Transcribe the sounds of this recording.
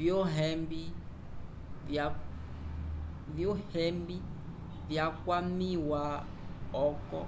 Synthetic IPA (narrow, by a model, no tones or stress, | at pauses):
vjɔɦɛmbi | vjɔhɛmbi | vjakwamiwa | ɔkɔ̰